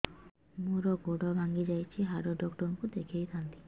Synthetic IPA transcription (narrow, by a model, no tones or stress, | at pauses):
muɾɔɡoɽɔbʱaŋɡid͡ʒajt͡ʃʰiɦaɾoɖɔkʈɔnkud̪ekʰejt̪ʰant̪i̥